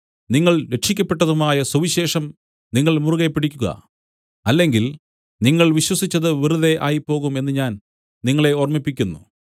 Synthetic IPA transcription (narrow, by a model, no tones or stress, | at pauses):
niŋːɐɭɾe̞ʈʂikʲːɐpːe̞ʈːɐðumaːjɐsuʋiɕe̞ːʂɐm | niŋːɐɭmuruɣepːiɽikʲːuɣɐ̰ | ɐlːe̞ŋɡil | niŋːɐɭʋiɕwɐsit͡ɕːɐðɨʋiruðe̞ʔa̰ːjipːo̞ːɣume̞nːɨɲaːn | niŋːɐɭe̞ormipːikʲːunːṵ